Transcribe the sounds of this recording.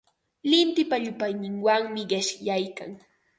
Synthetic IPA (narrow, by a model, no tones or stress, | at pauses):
lɪnt̪ɪpaʎʊpajnɪŋwaŋmɪɢɪʃjajka̰ŋ